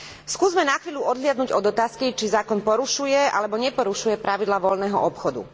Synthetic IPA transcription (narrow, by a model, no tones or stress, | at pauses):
skuːzmɛnaxʋiːʎuʔɔd̪ɦlɪad̪̚nuɟɔd̪ɔt̪aːskit͡ʃizaːkɔnpɔɾuʃujɛa̰lɛbɔɲɛpɔɾuʃujɛpɾaʋid̪laːʋɔʎnɛːɦɔʔɔpxɔd̪ṵ